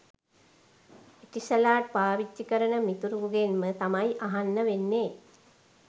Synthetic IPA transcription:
eʈisəlaːʈ̚paːʋit͡ʃːikəɾənəmit̪uɾuɡenmət̪amajʔaɦanːəʋenːeː

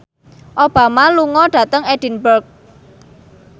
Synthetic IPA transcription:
ʔob̥ä̤maluŋɔɖ̥a̤t̪əŋɛd̥i̤nbərk̚

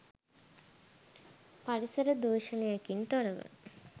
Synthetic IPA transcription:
paɽisəɾəd̪uːʃənejakint̪oɾəʋə̰

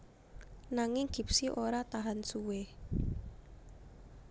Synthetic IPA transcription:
naŋɪŋɡ̥i̤psiʔoɾat̪aɦansuwe

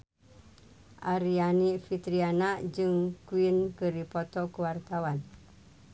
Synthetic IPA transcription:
ʔaɾianifit̪ɾianaʔd͡ʒɨŋkuwinkəɾipɔt̪ɔkəwart̪awan

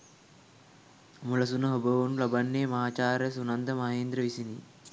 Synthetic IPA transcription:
muləsunəɦobəʋunulabanːeːmɐɦaːt͡ʃaːɾəsunand̪əmaɦeːnd̪ɾəʋisini

